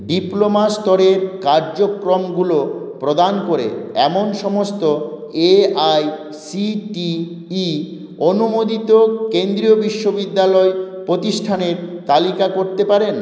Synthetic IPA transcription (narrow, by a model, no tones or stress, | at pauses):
ɖiplomast̪ɔɾeɾkaɾd͡ʑokɾomɡulopɾod̪ankoɾḛɛ̰monʃɔmost̪o | eaj | siʈiː | onumod̪it̪okend̪ɾiobiʃːobid̪ːalɔepɾot̪iʃʈʰaneɾt̪alikakoɾt̪epaɾen